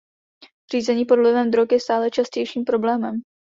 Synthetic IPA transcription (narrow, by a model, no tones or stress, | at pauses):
r̝̥iːzɛɲiːpo̞dlɪvɛmd̪ɾokjɛst̪aːlɛt͡ʃascɛjʃiːmpɾo̞blɛːmɛm